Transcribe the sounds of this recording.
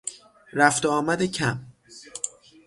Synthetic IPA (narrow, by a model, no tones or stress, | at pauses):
ɾæft̪oɒːmæd̪ecʰæm